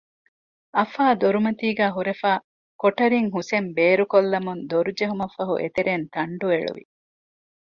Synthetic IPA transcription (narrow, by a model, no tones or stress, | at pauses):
ɐfaːd̪oɾumɐt̪iːɡæːɦuɾefaː | koʈɐɾiŋɦusembeːɾukolːɐmund̪oɾud͡ʒeɦumɐfɐɦṵʔḛt̪eɾeːnt̪ɐɳɖueɭṵʋḭ